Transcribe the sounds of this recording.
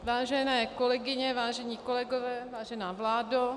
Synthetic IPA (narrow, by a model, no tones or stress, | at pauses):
vaːʒɛnɛːkolɛɡɪɲɛvaːʒɛɲiːkolɛɡovɛːvaːʒɛnaːvlaːdo